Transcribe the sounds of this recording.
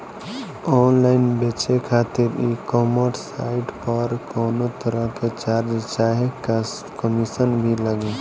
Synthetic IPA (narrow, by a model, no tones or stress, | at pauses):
ɔːnlaːɪnbeːt͡ʃekʰaːt̪ɪɾekːɔːmoʈsaːɪʈpɔɾkoːnot̪əɾəket͡ʃaːɾd͡ʒt͡ʃaːɦek | kəmisənbʱiləɡe